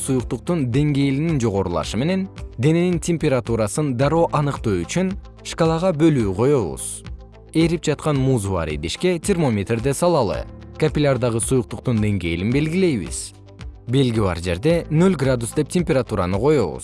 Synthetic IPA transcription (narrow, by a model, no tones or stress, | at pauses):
sujuq̚t̪uq̚t̪und̪e̞ŋɡe̞jlinind͡ʒo̞ʁo̞ɾulˠɑ̰ʃɯme̞ne̞nd̪e̞ne̞nintʲemʲpʲeɾat̪uɾasɯnd̪ɑɾo̞ːʔɑnɯqt̪uːyt͡ʃyn | ʂkalˠɑʁɑbø̞lyːqʰo̞jo̞βṵz̥ | e̞ɾip̚d͡ʒɑt̪qɑnmuːzuva̰ɾḭd̪iʃke̞tʲʰɪrmo̞mʲet̪rd̪e̞sɑlˠɑlˠɯ̰kɐpʲɪlʲard̪ɑʁɯsujuq̚t̪uq̚t̪und̪e̞ŋɡe̞jlinbe̞lɡʲile̞jβḭz̥ | be̞lɡʲiβɑ̰ɾd͡ʒe̞ɾd̪e̞nølʲɡrad̪usd̪e̞p̚tʲemʲpʲeɾat̪uɾɑ̰nɯqʰo̞jo̞̰βṵz